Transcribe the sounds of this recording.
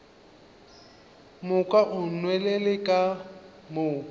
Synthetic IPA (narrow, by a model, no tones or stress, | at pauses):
mʊkʼaʔʊnwɛlelɪkʼa | mʊ